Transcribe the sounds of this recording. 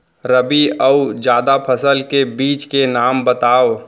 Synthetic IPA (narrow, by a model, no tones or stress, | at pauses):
ɾəbiəud͡ʒjaːd̪apʰəsəlkebiːt͡ʃkenaːmbət̪aːo